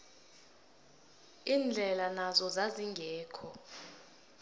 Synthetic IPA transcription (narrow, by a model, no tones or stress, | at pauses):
iːnd͡ɮʱɛlanazɔzaziŋɡʱɛːkʰɔ